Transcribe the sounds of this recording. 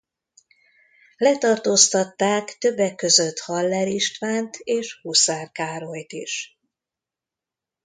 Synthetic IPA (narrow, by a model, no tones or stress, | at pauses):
lɛt̪ɒrt̪oːst̪ɒt̪ːaːkt̪ø̞bːɛkːø̞zøt̪hɒlːɛɾiʃt̪ʋaːnt̪ʰeːʃhusaːrkaːɾojt̪ḭʃ